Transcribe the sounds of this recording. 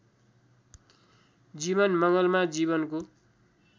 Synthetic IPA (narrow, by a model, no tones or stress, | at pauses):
d͡ziβʌnmʌŋɡʌlmad͡ziβʌnko